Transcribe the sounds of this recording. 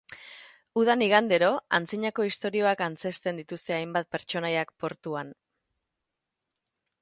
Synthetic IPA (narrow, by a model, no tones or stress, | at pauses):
uð̞aniɣand̪e̞ɾo̞ant͡siɲako̞ist̪o̞ɾio̞akant͡se̞st̪e̞nd̪it̪ust̪e̞ajmbat̪̚pe̞ɾt͡ʃo̞najakpo̞ɾt̪uan